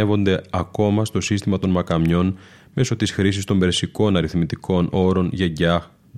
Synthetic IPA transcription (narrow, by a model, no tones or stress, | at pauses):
evo̞nd̪e̞ɐko̞mɐst̪o̞sist̪imɐt̪o̞nmɐkɐmɲo̞n | me̞so̞t̪isxɾisist̪o̞mbe̞ɾsiko̞nɐɾiθmit̪iko̞nʔo̞ɾo̞nʝeɟɐ